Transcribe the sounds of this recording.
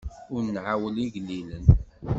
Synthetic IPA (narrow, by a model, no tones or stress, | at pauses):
ʊɾnʕawəliʝlːilən